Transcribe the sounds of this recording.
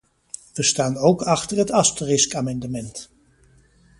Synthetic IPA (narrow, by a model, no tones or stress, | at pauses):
ʋəstaːnowkɑχtərɦətɑstərɪskaːmɑndəmɛnt